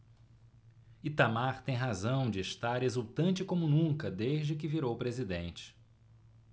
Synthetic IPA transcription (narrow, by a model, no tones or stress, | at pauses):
it̪amaɾt̪ẽj̃ɦazɐ̃w̃d͡ʒɪːʃt̪aɾezuwt̪ɐ̃nt͡ʃɪkõmʊnũkɐd̪eʒd͡ʒɪk̬ɪviɾowpɾezid̪ẽnt͡ʃɪ̥